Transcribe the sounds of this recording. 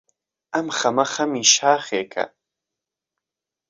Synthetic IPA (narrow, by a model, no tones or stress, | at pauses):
amχamaχamiʃaːχeːkʰʼa̰